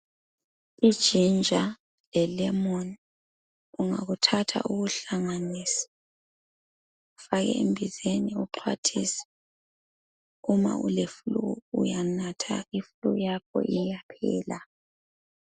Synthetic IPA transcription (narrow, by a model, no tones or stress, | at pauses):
id̥ʒ̥ʱind͡ʒʱa | lɛlɛmɔni | uŋa̰ɣutʰatʰa̰ʔuɣuɬaŋaniːsḁ | ufaɣɛ̰imbʱizeniuǃʰwatʰisɛ̥ | uma̰ṵlefuluɣujanatʰa̰ifuluɣjakʰɔ̰ʔijapʰɛ̰ːla